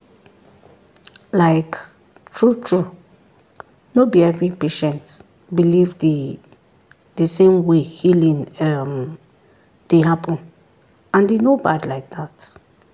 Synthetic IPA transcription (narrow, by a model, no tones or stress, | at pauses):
laɪk | tʰɹutʰɹu | nobiɛvɹipeʃɛ̃nt | bilivdi | dəsẽmwehilĩŋɛm | d̥eɦapʰə̃n | ãndenobadlaɪk̚dðat